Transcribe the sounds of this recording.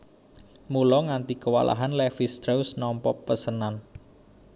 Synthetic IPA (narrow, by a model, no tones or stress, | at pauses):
mulɔŋant̪ikəwa̰lʔa̰ɦanlɛfisd̪ɾawsnɔmpɔpəsənan